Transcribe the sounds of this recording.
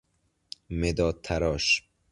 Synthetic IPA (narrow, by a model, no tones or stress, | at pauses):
med̪ɒːt̪ʰaɾɒʃ